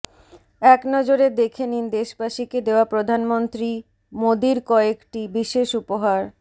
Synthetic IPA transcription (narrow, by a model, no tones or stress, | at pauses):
ɛknɔd͡ʑoɾed̪ekʰenind̪eʃbaʃiked̪eoapɾod̪ʱanmont̪ɾi | mod̪iɾkɔekʈibiʃeʃupoɦaɾ